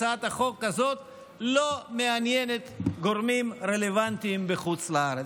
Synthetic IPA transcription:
at̪haχo̞kːazo̞t̪ | lo̞meanjenet̪ɡo̞ʁmimɾelevant̪imbeχut͡slaaɾe

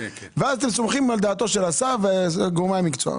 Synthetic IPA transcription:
veazat̪emsomχimald̪aːt̪o̞ʃelasaveɡumamikt͡soa̰

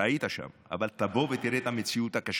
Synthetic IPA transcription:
ait̪aʃa̰ma̰balt̪aboːvet̪iɾet̪amit͡sjut̪akaʃ

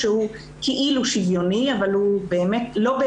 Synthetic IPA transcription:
ʃehu | kʰeʔiluʃivjoniavalhubeːmetlo̞be

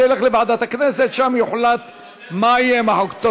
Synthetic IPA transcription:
jeleχlebaʕd̪at̪hakneset̪ʃamjuħlat̪ | majemaħokt̪o

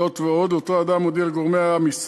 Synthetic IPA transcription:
ot̪veo̞d̪ot̪oad̪amod̪ilɡoʁmeaamis

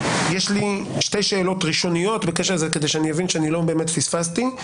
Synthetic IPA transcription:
jeʃliʃte̞jʃe̞ːlo̞tʁiʃo̞nijo̞tbekeʃelzeke̞d̪ejʃɛanijevinʃeanilobe̞ːmet̪fisfast̪i

